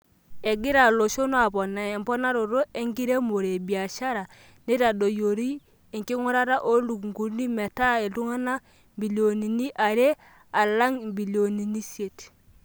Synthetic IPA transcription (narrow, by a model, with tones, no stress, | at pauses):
e˨ɡi˦ɾa˨lo˨ʃo˦no˦a˨bɔ˨nːa˨ɛ˨mpɔ˦na˦ɾo˨ɾo˦ʔe˦ŋɡi˦ɾe˦mo˨ɾe˨bi˨a˨ʃa˦ɾa˨ | ne˦ta˨do˨jo˨ɾi˦ | e˨ŋki˦ŋu˦ɾa˦ɾa˦ʔo˦lu˨kŋɡu˨˦ni˦me˨ta˦e˨lu˦ŋa˦na˦ | bi˨lo˨ni˨ni˦ʔa˨ɾe˦ | a˨la˦ŋbi˨li˨o˨ni˨ni˦si˦e˨t